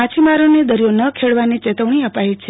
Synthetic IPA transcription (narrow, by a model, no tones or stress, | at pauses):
at͡ʃʰimaɾoned̪əɾijonəkʰeɭʋanit͡ʃet̪əʋɳ̃iəpaet͡ʃʰe